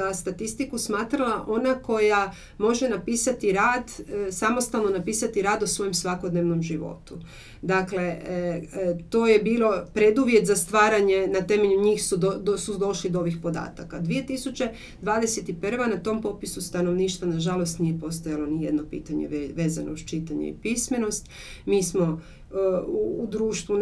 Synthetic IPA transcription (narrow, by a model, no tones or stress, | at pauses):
ast̪at̪ist̪ikusmaːt̪ɾalaʔo̞nako̞ja | mo̞ʒenapiːsat̪iɾaːd̪samo̞st̪alˠno̞napiːsat̪iɾaːd̪osʋo̞jemsʋako̞d̪neʋno̞mʒiʋo̞̰t̪u | d̪akle̞ | t̪o̞ːje̞biːlˠo̞pɾe̞d̪uʋjet̪zast̪ʋaːɾaɲe̞nat̪e̞meʎuɲiːxsusud̪o̞ʃlid̪ooʋixpo̞d̪a̰ːt̪akad̪ʋie̞t̪isut͡ɕe̞ | d̪ʋaːd̪eset̪ipr̩ʋanat̪o̞ːmpo̞pisust̪ano̞ʋniːʃt̪ʋanaʒalo̞st̪nije̞po̞st̪ojalˠo̞nijed̪no̞pḭːt̪aɲḛʋe̞ːza̰noust͡ʃit̪aɲḛḭpisme̞no̞st̪ | miːsmo̞ | uːd̪ɾuːʃt̪ʋu